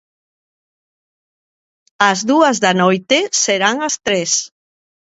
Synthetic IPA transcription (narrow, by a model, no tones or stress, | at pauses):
azðuazðanojt̪eseɾaŋast̪ɾes